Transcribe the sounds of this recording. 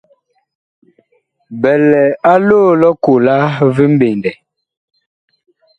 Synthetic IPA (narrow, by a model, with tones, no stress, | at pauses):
bɛ˨lɛ˨a˦loː˦˨lɔ˦ku˨la˦vi˦m̩˦be˨n˨dɛ˨